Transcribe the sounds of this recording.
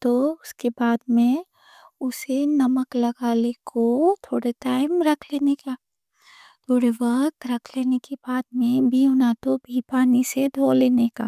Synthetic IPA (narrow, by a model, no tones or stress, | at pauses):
t̪oʊskebaːd̪mẽ | ʊsenɐməklɐɡaːlekʰot̪ʰoːɽeʈaːɪmɾɐkʰleːneka | t̪ʰoːɽeʋɐkt̪ɾɐkʰleːnekebaːd̪mẽbʱiʊnat̪obʱiːpaːnised̪ʱoːleːneka̰ː